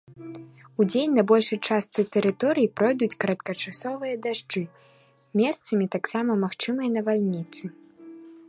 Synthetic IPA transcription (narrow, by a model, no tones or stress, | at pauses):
ud͡zʲenʲnɐbɔlʲʂɨt͡ʂast̪sɨt̪ɛɾɨt̪ɔɾɨjipɾɔjd̪ut͡sʲkɐɾɐt̪̚kɐt͡ʂasɔvɨjɐd̪aʐd͡ʐɨ | mʲɛst̪sɐmʲit̪aksamɐmaxt͡ʂɨmɐjɐnɐvalʲnʲit̪sɨ